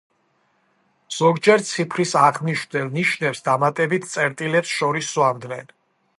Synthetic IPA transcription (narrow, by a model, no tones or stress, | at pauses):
z̥ɔɡd͡ʒɛɾt̪sʰipʰɾisaʁniʃd̪ɛlniʃnɛpsd̪amat̪ʼɛbit̪ʰt̪sʼɛɾt̪ʼilɛpsʃɔɾisːuamd̪nɛn